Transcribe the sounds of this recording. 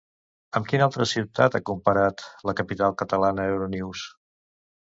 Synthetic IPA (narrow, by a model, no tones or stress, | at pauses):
əmkinalˠt̪ɾəsiwt̪at̪akumpəɾat̪ləkəpit̪alˠkət̪əlanəewɾoniws